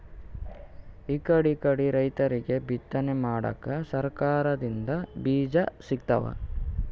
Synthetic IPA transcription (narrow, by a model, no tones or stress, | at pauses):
ikɐɽikɐɽiɾɐjt̪ɐɾiɡe̞bʱit̪ːɐnemaːɽɐ̰kːɐsɐɾkaːɾɐd̪ind̪ɐbiːd͡ʒɐsikt̪ɐ̰ʋɐ̰